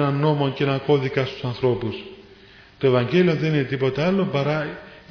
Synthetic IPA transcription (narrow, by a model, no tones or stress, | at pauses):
nɐnːo̞mo̞nceenɐko̞ðikɐst̪u̥sɐnθɾo̞pus | t̪oe̞vɐɲɟe̞lio̞nðe̞nine̞t̪ipo̞t̪eɐlo̞pɐɾɐ